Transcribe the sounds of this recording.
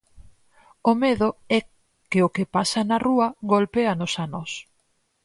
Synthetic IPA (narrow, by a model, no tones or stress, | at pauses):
ʊmeðʊɛ | kɪokɪpasɐnɐruɐɡolpeɐnosanɔs